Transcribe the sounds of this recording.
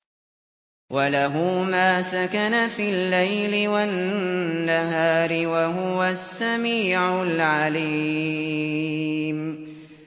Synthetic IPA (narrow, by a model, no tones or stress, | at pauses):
wʔalaɦuːmaːsakanafilːajlɪwanː | aɦaːɾɪwaɦʊwasːamiːʕʊlʕaliː | m